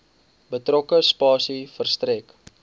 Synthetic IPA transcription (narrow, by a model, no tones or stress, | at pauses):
bətrɔkəspɑːsifərstrɛk